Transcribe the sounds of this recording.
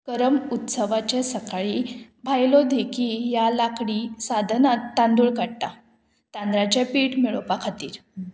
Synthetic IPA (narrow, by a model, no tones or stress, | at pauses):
kəɾəmut̪səʋat͡ɕesəkaɭi | bʱajlod̪ʱekʰijalakɽisad̪ʱnat̪ːãnd̪uːɭkaɽʈ̪a | t̪and̪ɾat͡ɕapiʈmiɭopakʰat̪iːɾ